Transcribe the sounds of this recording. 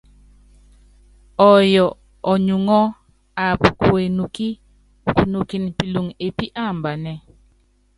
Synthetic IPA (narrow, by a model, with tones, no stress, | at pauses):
ɔ˨jɔ˨ | ɔ˨ɲu˨ŋɔ˦ | a˨pku˨e˨nu˨ki˦˨ | ku˨nu˨ki˨n˨pi˨lu˨ŋe˨pi˦ʔa˦˨mba˨nɛ˨